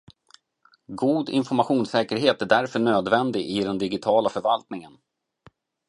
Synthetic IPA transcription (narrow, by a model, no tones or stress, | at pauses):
ɡuːd̪ɪ̰nfɔɾmaɧuːnsɛːkəɾɦeːt̪æɖæɾfœɳøːd̪vɛnd̪ɪɡɪd̪ɛnd̪ɪɡɪt̪ʰɑːlafœɾvalt̪nɪŋən